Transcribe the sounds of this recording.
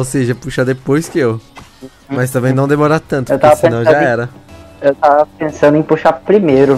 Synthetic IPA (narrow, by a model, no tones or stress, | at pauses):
owseʒɐpuʃad̪epojskɪew | mɐs̬t̪ɐ̃mbẽj̃nɐ̃w̃d̪emoɾat̪ɐ̃nt̪ʊewt̪avɐsiẽnɐ̃w̃ʒaɛɾɐewt̪avɐpẽsɐ̃nd̪ʊẽpuʃapɾimejɾʊ